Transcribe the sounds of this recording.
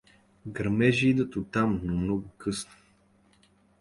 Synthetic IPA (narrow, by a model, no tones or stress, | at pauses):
ɡəɾmɛʒiid̪ət̪ʊt̪amnomnɔɡʊkɤsno̥